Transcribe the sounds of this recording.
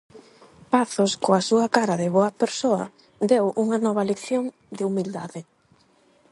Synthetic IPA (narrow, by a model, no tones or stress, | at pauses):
paθʊskoɐsuɐkaɾɐðɪβoɐpeɾsoɐ̰ | d̪ewʔuŋɐnɔβ̞ɐlekθjoŋ | d̪ɪumild̪aðɪ